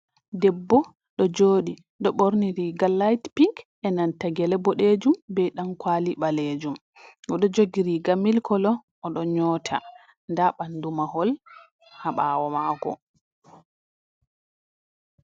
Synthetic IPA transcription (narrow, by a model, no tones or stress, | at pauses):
dɛbːɔ | ɗɔd͡ʒoːɗi | ɗɔɓoɾniɾiɡalːajtpiŋk | ɛnantaɡɛlɛbɔɗed͡ʒumbɛjɗankwaːliɓaled͡ʒum | ɡɔɗɔd͡ʒoɡiɾiɡamilkʰɔlɔː | ɗɔɲɔtʰa̰ | ndaɓandumahɔl | haɓaːwɔmakɔ̰